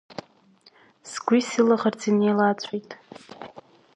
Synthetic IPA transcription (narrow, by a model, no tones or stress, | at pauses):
sɡʷisɨlaʁart͡sʰinejlat͡sʷʰʼijtʼ